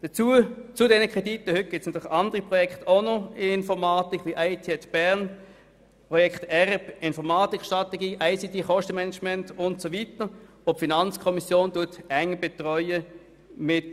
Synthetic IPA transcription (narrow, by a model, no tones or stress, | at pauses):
d̥ət͡suət͡sʊdɛnəkχɛditəhʏt̚ɡ̥ɪtsnɑt̪ʰyːχɑndəʁipʁɔjɛkχtoʊnɔnfɔʁmaːtikʰʋiʔaɪtʰiɛtb̥æʁn | pʁɔjɛktɛʁb̥ɪnfɔʁmaːtikʰʃtʁɑteɡiːʔaɪsitiχɔʃtəmɛnɛt͡ʃmɛntʊntsovitəʁ | opfinɑnt͡skʰɔmisjoːntuɐtɛŋb̥ɛtʁœʏə | mɪt